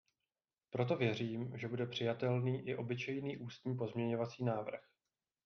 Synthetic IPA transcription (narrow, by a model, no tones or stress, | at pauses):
pɾo̞t̪o̞vjɛriːmʒɛbudɛpr̝̥ɪjat̪ɛlniːʔɪʔo̞bɪt͡ʃɛjniːʔuːst̪ɲiːp̬o̞zmɲɛɲo̞vat͡siːnaːvr̩x